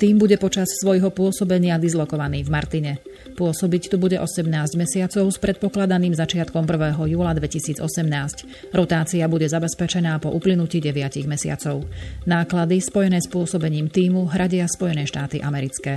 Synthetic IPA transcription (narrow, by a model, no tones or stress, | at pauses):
t̪iːmbuɟɛpɔt͡ʃassʋɔjɦɔpʊɔsɔbɛɲɪad̪izlɔkɔʋaniːvmaɾt̪iɲɛ | pʊɔsɔbict̪ubuɟɛʔɔsɛmnaːzɟmɛsɪat͡sɔʊspɾʔɛt̪̚pɔklad̪aniːmzat͡ʃɪat̪kɔmpr̩ʋɛːɦɔjuːlad̪ʋɛcisiːd͡zɔsɛmnaːsc | ɾɔt̪aːt͡siabuɟɛzabɛspɛt͡ʃɛnaːpɔʔuplinuciːɟɛʋɪaciɣmɛsɪa̰t͡sɔʊnaːklad̪ispɔjɛnɛːspʊɔsɔbɛɲiːmt̪iːmuɦɾʔaɟɪaspɔjɛnɛʃt̪aːt̪iʔamɛɾit͡skɛː